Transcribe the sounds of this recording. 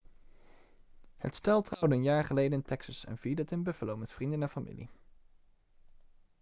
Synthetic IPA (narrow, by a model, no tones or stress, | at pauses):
hə̰tstɛlˠtrɑwdəənjaːɹχəlejdənɪntɛksɑsɛ̰nv̥iːdətɪnbəfəlowmɛtfrindənɛnfamʔḭlḭ